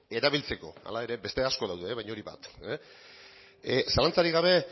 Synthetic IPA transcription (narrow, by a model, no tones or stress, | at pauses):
e̞ɾaβ̞ilt͡se̞ko̞̰a̰lae̞ɾe̞be̞st̪e̞asko̞ðawðe̞βajɲoɾiβa̰t̪ | salant͡saɾiɣaβ̞e̞